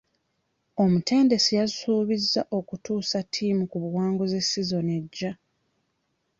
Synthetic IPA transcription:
o̞mutʰe̞ːnde̞sijazsuːβizːaʔo̞kutuːsatʰːiːmukuβuwaːŋɡoze̞sːizo̞neɟːa

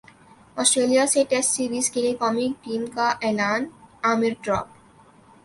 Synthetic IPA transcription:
ɔsʈɾelijaseʈesʈsiɾbiskelekɔmik̚ʈimkaʔɛlanameɾɖɾɔ̰p

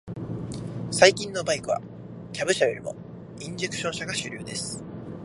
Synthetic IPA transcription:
saikʲĩnːo̞baikɯ̟βa̰ | kʲabɯ̟ɕajo̞ɾʲimo̞̰ | ĩɲ̟d͡ʑe̞kɯ̟̥ɕõ̞ɰ̃ɕaɡaɕɨɾʲɨ̰ːd̪e̞sɨ̥

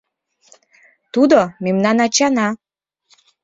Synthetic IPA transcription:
t̪ud̪omemnɑnɑt͡ɕɑnɑ

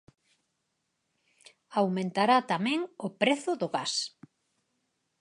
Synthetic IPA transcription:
awmẽnt̪aɾat̪amɛ̃ŋʊpɾeθʊðʊɣas

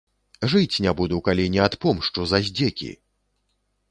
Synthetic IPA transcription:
ʐɨt͡sʲnʲabud̪uwkalʲinʲɛat̪pɔmʂt͡ʂuzɐzʲd͡zʲekʲḭ

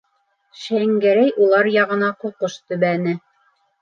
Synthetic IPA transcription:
ʃæŋɡæɾæjʔulˠɑɾjɑʁɤ̆nɑquqoʃt̪ɵ̆βænɘ

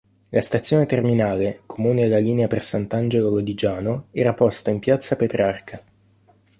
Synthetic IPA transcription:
lʔast̪at̪sːjoːnet̪erminaːlekʰomuːnelːaliːneapersant̪and͡ʒelolod̪id͡ʒaːnoɛːɾapɔst̪aimpjat̪sːapet̪ɾarkʰa

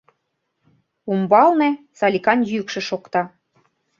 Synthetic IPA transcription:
umbɑlne | sɑlʲikɑnjykʃĕʃokt̪ɑ

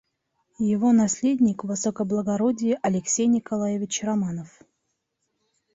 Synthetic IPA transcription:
jɪvo̞nɐsʲlʲedʲnʲɪkvɨsokəblˠəɡɐɾodʲɪjɪʔɐlʲɪksʲejnʲɪkɐlˠajɪvʲɪt͡ɕrɐmanəf

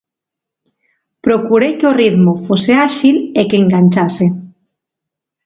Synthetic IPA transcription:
pɾokuɾejkeoriðmofoseaʃilekeŋɡanʲt͡ʃase

